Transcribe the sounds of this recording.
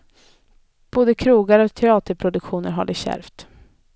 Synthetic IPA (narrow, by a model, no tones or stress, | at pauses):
b̥oːd̪əkʰɾuːɡaɾɔk̚t̪ʰɛɑːt̪əɾpʰɾʊd̪ɵkɧuːnəɾɦaɖɪɕæ̰ɾft̪